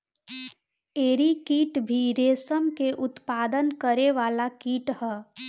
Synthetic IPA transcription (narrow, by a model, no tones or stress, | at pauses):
eːɾikiːʈbʱiɾeːsəmkeʔʊt̪paːd̪ənkəɾeʋaːlakiːʈɦɛː